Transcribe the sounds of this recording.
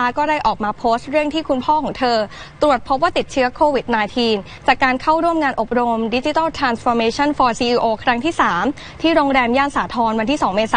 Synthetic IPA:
aː˦˥kɔː˥˩da˥˩jʔɔː˨˩k̚maː˧pʰoː˦˥st̪̚ɾɯ˥˩əŋt̪ʰiː˥˩kʰu˧npʰɔː˥˩kʰɔː˩˦ŋt̪ʰɤː˧ | t̪ɾu˨˩ət̪̚pʰo˦˥p̚waː˥˩t̪i˨˩t̪̚t͡ɕʰɯ˦˥ɐkʰoː˧wi˨˩t̪̚naː˧jt̪ʰiː˧n | t͡ɕaː˨˩kːaː˧nkʰa˥˩wɾu˥˩əmŋaː˧nʔo˨˩p̚ɾo˧mdi˦˥t͡ɕi˧˦t̪a˥˩wt̪ʰɾaː˧nsfɔː˧meː˧t͡ɕʰa˥˩nfɔː˧siː˧ʔiː˧ʔoː˧kʰɾa˦˥ŋt̪ʰiː˥˩saː˩˦m | t̪ʰiː˥˩ɾoː˧ŋɾɛː˧mjaː˥˩nsaː˩˦t̪ʰɔː˧nwa˧nt̪ʰiː˥˩sɔː˩˦ŋmeː˧saː˨˦

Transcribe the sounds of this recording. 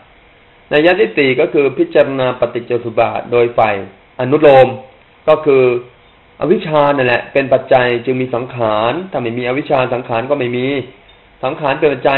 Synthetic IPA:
na˧jaː˦˥t̪ʰiː˥˩siː˨˩kɔː˥˩kʰɯː˧pʰi˦˥t̪̚t͡ɕaː˧ɾa˧naː˧pa˧t̪i˨˩t͡ɕoː˧˩su˨˩t̪̚ba̰ː˨˩t̪̚doː˧jfa˨˩j | ʔa˧nu˦˥t̪̬̚loː˧m | kɔː˥˩kʰɯː˧ | ʔa̰˧wi˦˥t͡ɕʰaː˧na˥˩nlɛ˨˩ʔpe˧npa˨˩t̪̚t͡ɕa˧jt͡ɕɯ˧ŋmiː˧sa˩˦ŋkʰaː˩˦nt̪ʰaː˥˩ma˥˩jmiː˧ʔa˧wi˦˥t͡ɕʰaː˧nsa˩˦ŋkʰaː˩˦nkɔː˥˩ma˥˩jmiː˧ | sa˩˦ŋkʰaː˩˦npe˧npa˨˩t̪̚t͡ɕa˧

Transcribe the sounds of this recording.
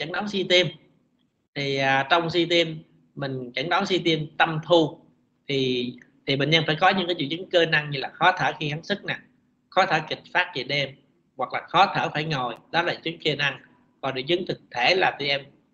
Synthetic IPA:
t͡ɕə˧˩ŋɗɔ˨˦nsi˧t̪i˧m | t̪ʰi˨˩ʔaː˨˩t͡ɕɔ˧wŋ͡msi˧t̪i˧əmː | ï˨˩ŋ̟t͡ɕə˧˩ŋɗɔ˨˦nsi˧t̪i˧əmt̪ə˧mt̪ʰu˧ | t̪ʰi˨˩t̪ʰi˨˩ɓe˨˩ŋə˧nfaː˧˩jkɔ˨˦ɲɨ̰˧˥ŋkaː˨˦jt͡ɕṵ˧˩˨zɨ˨˦ŋkəː˧na˧ŋɲɨ˧laː˨˩xɔ˨˦t̪ʰəː˧˩xi˧ha˨˦nsɨ˦˥k̚na˨˩ | xɔ˨˦t̪ʰəː˧˩kï˨˩k̟̚faː˦˥t̚t͡ɕḭ˧˩ɗe˧m | ɣwa˨˩k̚laː˨˩xɔ˨˦t̪ʰəː˧˩faː˧˩jŋo˨˩jɗɔ˨˦laː˨˩t͡ɕɨ˨˦ŋki˧na˧ŋ | kɔ˨˩ɗɨ̰˨˧˩zɨ˨˦ŋt̪ʰɨ˨˩k̚t̪ʰe˧˩laː˨˩t̪i˧ʔɛ˧m

